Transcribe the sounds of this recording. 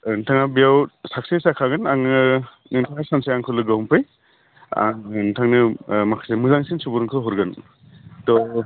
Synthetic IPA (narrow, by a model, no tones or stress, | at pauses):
ntʰaŋabijawsak̚sesakʰaɡɯnaŋ | nɯŋtʰaŋasansejaŋkʰɯlɯɡɯhumpʰɯj | a̰ŋnɯtʰaŋnɯmakʰasemɯzaŋsinsubuɾŋkʰɯɦɔɾɡɯn | tɔ